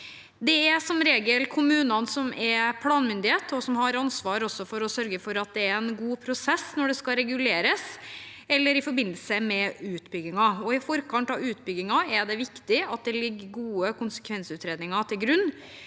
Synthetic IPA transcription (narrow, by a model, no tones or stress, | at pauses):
d̪ɛæsɔmɾeːɡəlkʰʊmʉːnɑnsɔmʔɛɾpʰlɑːnmʏnd̪ɪheːt̪ʰɔsɔmhɑɾɑnsʋɑːɾɔsːɔfɔɾɔsœɾɡəfɔɾɑt̪̚d̪ɛæɾɛnɡuːpʰɾʊsɛsːnɔɖɛskɑɾɛɡʉleːɾəs | ɛlːəɾɪfɔɾbɪnd̪əlsəmɛʉːt̪bʏɡɪŋɑɔɪfɔɾkʰɑnt̪ɑʋʉːt̪̚bʏɡɪŋɑɛɖ̪ɛʋɪkt̪ɪɑt̪̚d̪ɛlɪɡːəɡuːəkʊnsə̥kʰʋɛnsəʉːt̪ɾeːd̪nɪŋɑt̪ʰɪlɡɾʉnː